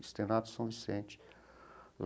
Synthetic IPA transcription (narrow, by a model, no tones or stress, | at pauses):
ist̪enat̪u̥sɐ̃w̃visẽnt͡ʃi̥ | l